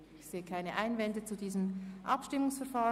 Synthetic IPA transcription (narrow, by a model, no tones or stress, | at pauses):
ɪçz̥eːəkʰaɪnəʔaɪnvɛndət͡sudiːzəmʔɑ̰pʃtɪmʊŋsfɛɐfaː